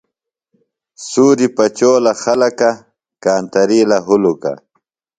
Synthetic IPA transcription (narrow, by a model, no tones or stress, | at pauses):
suːɾipat͡ʃoːlaxalaka | kaːnt̪aɾilaɦʊluka̰